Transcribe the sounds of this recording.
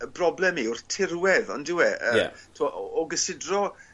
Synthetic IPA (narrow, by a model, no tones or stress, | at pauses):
əbrɔblɛmiʊrθtʰɪrwɛðɔ̰ndɪwɛəa̰tʰmɔʔɔɔɡəsɪdrɔ